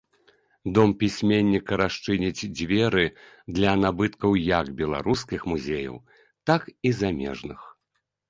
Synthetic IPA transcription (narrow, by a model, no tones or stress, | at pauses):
d̪ɔmpʲisʲmʲenʲːikɐɾaʂt͡ʂɨnʲit͡sʲd͡zʲvʲɛɾɨ | d̪lʲɐnabɨt̪kɐwjɐɡbʲɛlˠa̰ɾuskʲixmuzʲejɐ̰w | t̪akizamʲɛ̰ʐnɨ̰x